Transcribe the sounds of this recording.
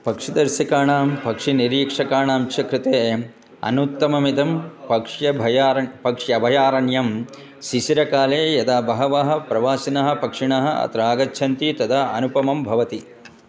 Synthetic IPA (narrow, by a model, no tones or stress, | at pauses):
pɐkʂid̪ɐɾʃɐkaːɳaːmpɐkʂiniɾiːkʂɐkaːɳaːmt͡ʃɐkɾɪt̪eː | ɐ̰nut̪ːɐmɐmit̪ɐmpɐkʂjɐbʱɐjpɐkʂjɐbʱɐjaːɾɐɳjɐm | siʃiɾɐkaːleːjɐd̪aːbɐɦɐʋaɦɐ̆pɾɐʋaːsinɐɦɐ̆pɐkʂiɳɐɦɐ̆ɐ̰t̪ɾaːɡɐtːt͡ʃʰɐnt̪it̪ɐd̪ʱɐɐnupɐmɐmbʱɐʋɐt̪i